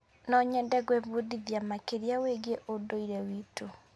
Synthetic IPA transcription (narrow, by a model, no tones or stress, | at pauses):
nɔɲɛndɛɡwɛβoðiðjamakeɾiaweɡeʔodoiɾɛwitu